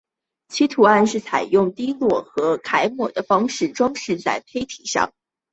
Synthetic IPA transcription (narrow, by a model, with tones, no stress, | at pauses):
t͡ɕʰi˥t̪ʰu˨˩a˥˧nʂɻ̩˥˩t͡sʰa˨˩ɪjʊ˥˩ŋt̪i˥lwɔ˥˩xɤ˧˥kʰa˧˥ɪmwɔ˨˩d̪ə˦fɑ˥ŋʂɻ̩˥˩ʈ͡ʂwɑ˥ŋʂɻ̩˥˧t͡sa˥˩ɪpʰe˥ɪt̪ʰi˨˩ʂɑ̰˥˩ŋ